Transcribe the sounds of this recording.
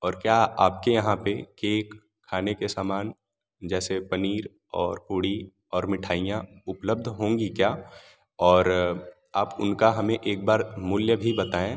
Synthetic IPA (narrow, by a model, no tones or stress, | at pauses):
ɔːɾkjaːaːp̚kejɐɦãpekeːkʰː | aːnekesaːmaːn | d͡ʒɛːsepɐniːɾ | ɔːɾpuːɽi | ɔːɾmɪʈʰaːijãʊpləb̚d̪ʱɦõːŋɡikjaː | ɔːɾ | aːpʊnkaɦɐmẽʔeːk̚baːɾmʊljəbʱibɐt̪aːẽ